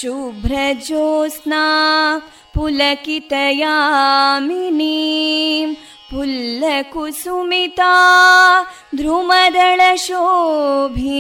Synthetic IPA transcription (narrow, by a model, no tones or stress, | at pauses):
ʃubʱɾɐd͡ʒoːsnaː | pulɐkit̪ɐjaːmini | m | pulːɐkusumit̪aː | d̪ɾumɐd̪ɐɭɐʃoːbʱi